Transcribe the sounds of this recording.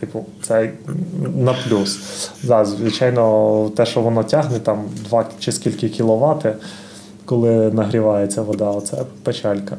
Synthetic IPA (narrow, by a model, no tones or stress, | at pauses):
t̪ɪpʊt̪sɛ | nɐplʲusd̪ɑzʲʋɪt͡ʃɑjnɔt̪ɛʃt͡ʃɔʋɔnɔtʲɑɦnɛt̪ɑmd̪ʋɑt͡ʃɪskʲilʲkɪkʲilˠɔʋɑt̪ɪ | kɔlˠɪnɐɦɾʲɪʋɑjet͡sʲːɐʋɔd̪ɑɔt̪sɛ̰pet͡ʃɑlʲkɐ